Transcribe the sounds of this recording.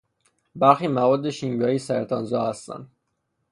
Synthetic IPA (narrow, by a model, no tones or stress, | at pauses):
bæɾxiːmævɒːd̪ːe̞ʃimvɒːisæɾt̪ʰɒːnzɒːhæst̪æ̰nd̪̥